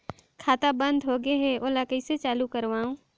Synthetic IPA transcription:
kʰaːt̪abɐ̃nd̪ʱɦoːɡeɦɛoːlaːkəiset͡ʃaːlukɐɾʋaːũː

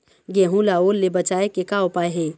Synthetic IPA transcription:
ɡeɦũlaolːebət͡ʃaekekaopaːjɦẽ

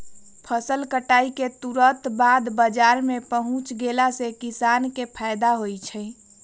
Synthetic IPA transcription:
pʰəsəlkəʈaiket̪uɾət̪bad̪bəd͡ʒaɾmepəɦʊ̃t͡ʃɡelasekisankepʰajd̪aɦojt͡ʃʰə

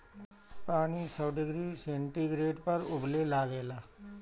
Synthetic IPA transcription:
paːɽ̃isɔːɖɪɡɾiːsẽːɳʈiɡɾeːʈpɐɾʊblelaːɡeːlaː

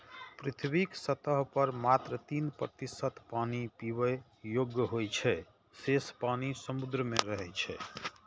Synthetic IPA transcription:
pɾit̪ʰbiksət̪əɦpəɾmat̪ɾət̪inpɾət̪isət̪panipiʋe | joɡjəɦojt͡ʃʰɛ | sespanisəmud̪ɾəmeɾəɦɛt͡ʃʰɛ

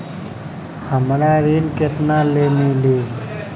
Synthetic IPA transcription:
həmɾaːɾiːnket̪naːleːmiːliː

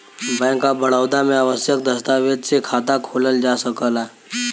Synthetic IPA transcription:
bɛ̃ŋkabəɽawd̪ameaʋəsjək̚d̪əst̪aʋed̪̚t͡sekʰat̪akʰoləld͡ʒasəkəla

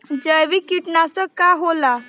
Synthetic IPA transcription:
d͡ʑəʋikiʈnasəkaɦola

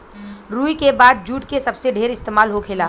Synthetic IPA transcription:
ɾuːikebaːd̪̚d͡ʒuːʈkesɐbseɖʱeːɾɪst̪eːmaːlɦokʰeːlaː

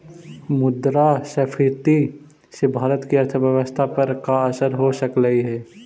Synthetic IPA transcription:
mʊd̪ɾasɐfʰiɾt̪i | sebʱaːɾət̪kiɐɾt̪ʰəʋjəʋəst̪ʰapɐɾkaɐsəɾɦosəkləiɦɛː

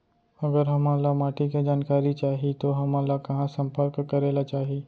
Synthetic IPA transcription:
ɐɡəɾɦɐmãːlamaːʈiked͡ʒaːnkaːɾit͡ʃaːɦit̪oɦɐmãːlakɐɦãsɐ̃mpəɾkkːɐɾeːlat͡ʃaːɦiiː

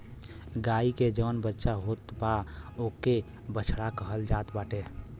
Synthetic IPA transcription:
ɡaiked͡ʒəːnbətːʃaɦot̪baoke | bət͡ʃʰɽakəɦəld͡ʒaːt̪baːʈe

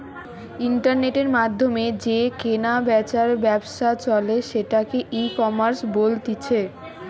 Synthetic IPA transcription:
iɳʈaɾneʈeɾmad̪ʱːomed͡ʑekenabɛt͡ɕaɾbɛbʃat͡ɕɔleʃeʈakeʔikɔmaɾsbolt̪it͡ɕʰe

